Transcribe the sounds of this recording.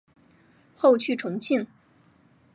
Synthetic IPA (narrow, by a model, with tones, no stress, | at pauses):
xo˥˧ʊt͡ɕʰy˥˩ʈ͡ʂʰʊ˧˥ŋt͡ɕʰi˥˩ŋ